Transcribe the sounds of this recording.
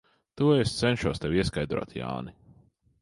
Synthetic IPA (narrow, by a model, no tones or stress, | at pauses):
t̪uest̪sɛnʃuɔst̪ɛwiɛskajd̪ɾo̰ɔːt̪ja̰ːni